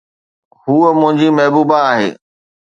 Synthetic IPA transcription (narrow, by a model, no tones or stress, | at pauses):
ɦuːəmʊ̃ɦɪ̃ɲd͡ʑimɐɦbuːbaːɦḛː